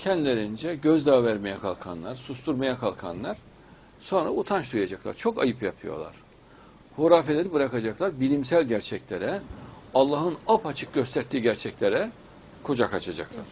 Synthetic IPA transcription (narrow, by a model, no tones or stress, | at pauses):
cʰɛnd̪ilʲeɾind͡ʒɛɟøzd̪aːvæɾmejɛkʰalˠkʰanlˠaɾsust̪ʰuɾmajakʰalˠkʰanlˠaɾ̥ | so̞nɾa̰ut̪ʰant͡ʃd̪ujad͡ʒaklˠa̰ɾt͡ʃʰo̞kajɯpjapʰɯjo̞̰lˠa̰ɾ̥ | hoɾaːfe̞lʲeɾibɯɾakad͡ʒaklˠaɾbilʲimsælʲɟæɾt͡ʃʰɛclʲeɾɛalˠːaːɦɯnapat͡ʃʰɯk̚ɟøst̪ʰæɾt̪ʰiːɟæɾt͡ʃʰɛclʲeɾɛ | kʰod͡ʒakat͡ʃʰad͡ʒa̰klˠa̰ɾ̥